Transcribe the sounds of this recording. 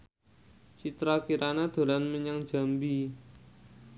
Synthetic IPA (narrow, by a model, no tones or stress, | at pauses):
t͡ʃit̪ɾakiɾʔanad̪̥o̤lanməɲaŋ̥d͡ʒ̥a̤mbi